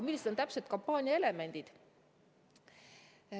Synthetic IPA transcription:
milːised̪ont̪æpset̪kompːɑːnʲiɑe̞le̞me̞nʲd̪̥id̪̥

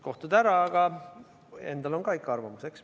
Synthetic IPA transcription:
ko̞ht̪ud̪æɾɑːɡ̥ɑ | e̞nd̪̥ɑlo̞nɡɑːikːˑɑɑrvɑmuseks

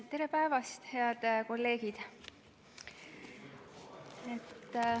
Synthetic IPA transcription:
t̪ːe̞ɾe̞pæevɑst̪heɑd̪̥ko̞lːe̞ːɡ̥id̪̥ | et̪ː

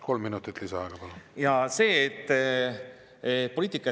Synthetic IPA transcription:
ko̞lmːinut̪ˑit̪ːlisɑɑɡ̥ɑpɑlujɑse̞ːt̪ːˑ | pːoliːt̪ːˑikːˑɑ

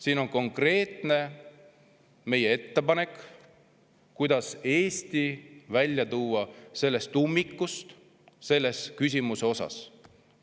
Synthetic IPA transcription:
siːno̞nko̞ŋkre̞ːt̪ne̞ | me̞jee̞t̪ːe̞pɑne̞k | kujd̪̥ɑse̞ːst̪ivælʲjɑt̪uːɑse̞lːe̞st̪umːikːust̪ | se̞lːe̞skys̬ʲimuse̞o̞sɑ̰s

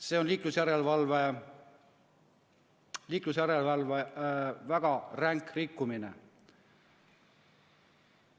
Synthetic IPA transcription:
se̞ːonliːklusjæɾe̞lvɑlve̞ | liːklusjæɾelvɑlvevæɡ̥ɑræŋkrikːuminḛ

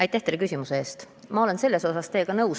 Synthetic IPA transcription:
ɑjt̪ːæht̪elekysʲimuseeːst̪ | mɑo̞le̞nse̞lːe̞so̞sɑst̪e̞ːkɑnɤws

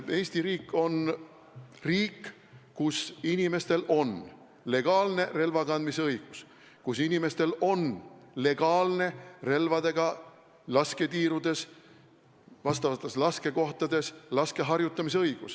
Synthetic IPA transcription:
e̞ːsʲt̪iɾiːkːˑo̞n | riːkː | usinime̞st̪e̞lo̞n | le̞ɡ̥ɑːlne̞re̞lvɑkɑnd̪miseɤjɡ̥us | kusinime̞st̪e̞lo̞nle̞ɡ̥ɑːlne̞re̞lvɑd̪e̞ɡ̥ɑ | lɑske̞t̪iːɾud̪̥e̞s | vɑst̪ɑvɑt̪ːˑe̞slɑske̞ko̞ht̪ɑd̪̥e̞slɑske̞ɦɑrjut̪ːˑɑmis̬eɤjɡ̥us

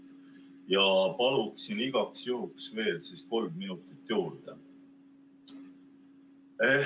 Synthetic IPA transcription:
jɑpɑluksiniɡ̥ɑksjuɦuksve̞ːlsisko̞lmminut̪ˑit̪ːjuːɾd̪̥e | e

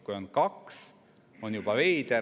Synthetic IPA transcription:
kujo̞nkɑks | o̞njub̥ɑvejt̪e

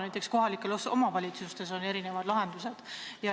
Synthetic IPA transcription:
næjt̪ːˑeksko̞ɦɑlikːˑe̞loso̞mɑvɑlʲit̪sust̪e̞s̬o̞ne̞ɾine̞vɑd̪lɑɦe̞nd̪̥use̞d̪̥jɑ

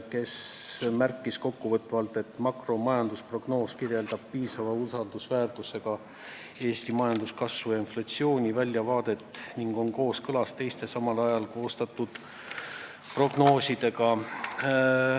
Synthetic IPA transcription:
ke̞smærkːˑisko̞kːuvɤt̪ːvɑlt̪ːˑe̞t̪ːmɑkro̞mɑjɑnd̪uspro̞ɡ̥no̞ːskirje̞ld̪̥ɑb̥̚piːsɑvɑusɑld̪usvæːrt̪use̞ɡ̥ɑ | e̞ːst̪imɑjɑnd̪̥uskɑsvujɑinflɑt̪sio̞ːnʲivælʲːjɑvɑːd̪̥e̞t̪ːˑniŋɡ̥o̞nko̞ːskɤlɑst̪e̞jst̪e̞sɑmɑlɑjɑlko̞ːst̪ɑt̪ːˑud̪̥ | pro̞ɡ̥no̞ːsid̪̥e̞ɡɑ

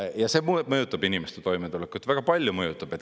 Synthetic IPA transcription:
jɑse̞ːmumɤjut̪ːˑɑb̥inimest̪et̪o̞jmet̪ulekːˑujt̪væɡ̥ɑpɑlʲjumɤjut̪ːˑɑb̥e̞t̪

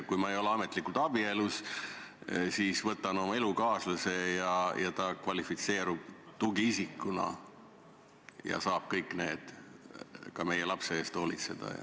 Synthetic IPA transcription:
kujmɑe̞jo̞leɑmet̪ˑlikːˑult̪ɑb̥ie̞lus | sisvɤt̪ːˑɑno̞mɑe̞lukɑːsluse̞jɑjʔɑt̪ɑkvɑlifit̪se̞ːɾub̥t̪uɡiisikːˑunɑ̰ | jɑ̰sɑːb̥kɤjkːˑne̞ːd̪̥ | kɑme̞jelɑpseeːst̪o̞ːlit̪se̞d̪̥ɑ̰jɑ̰

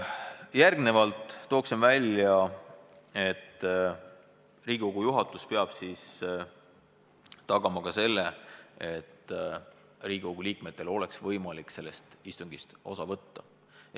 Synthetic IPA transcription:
jærɡne̞vɑlt̪ˑːo̞ːksemvælʲjɑ | e̞t̪ːˑ | riːɡ̥ikoɡ̥ujuɦɑt̪ːˑuspeɑb̥sis | t̪ɑɡ̥ɑmɑkɑse̞lːee̞t̪ːˑ | riːɡ̥ʲiko̞ɡ̥uliːkme̞t̪ːˑe̞lo̞leksvɤjmɑlikse̞lːe̞st̪ist̪uŋɡ̥ist̪o̞̰sɑvɤt̪ːɑ

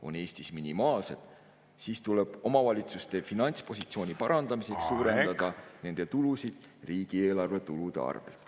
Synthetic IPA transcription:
o̞̰ne̞ːsʲt̪isminimɑːlse̞d̪̥ | siːst̪uleb̥o̞mɑvɑlʲit̪sust̪e̞finɑnʲt̪spo̞sʲit̪sio̞ːnʲipɑɾɑnd̪̥ɑmise̞ksːuːɾe̞nd̪ɑd̪̥ɑne̞nd̪̥e̞t̪ulusid̪̥riːɡ̥ie̞ːlɑrve̞t̪ulud̪̥e̞̰ɑ̰rvḛ

